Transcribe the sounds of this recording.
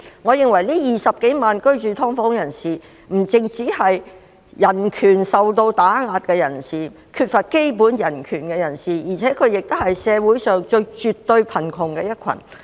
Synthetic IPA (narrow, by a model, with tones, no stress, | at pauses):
ŋɔː˨˧jɪ˨ŋwɐ˨˩jliː˥jiː˨˩sɐ˨p̚ke˨˥jmaː˨nkɵ˥ɥt͡ʃyː˨t̪ʰɔː˥ŋfɔː˨˥ŋjɐ˨˩nsiː˨ | m̩˨˩t͡sɪ˨˧ŋt͡siː˨˥hɐ˨j | jɐ˨˩nkʰyː˨˩nsɐ˨wt̪o˧wt̪aː˨˥ŋaː˧t̚kɛː˧jɐ˨˩nsiː˨˩ | kʰyː˧t̚fɐ˨t̚ke˥jpuː˨˥njɐ˨˩nkʰyː˨˩nkɛ˧jɐ˨˩nsiː˨˩jiː˨˩t͡sʰɛː˨˥kʰɵ˨˧ɥjɪ˨k̚t̪o˥whɐ˨jsɛː˨˧wuː˨˥jsœː˨ŋt͡ʃɵ˧ɥt͡ʃyː˨tt̪ːɵ˧ɥpʰɐ˨˩nkʰʊ˨˩ŋkɛː˧jɐ˥t̚kʷʰɐ̰˨˩n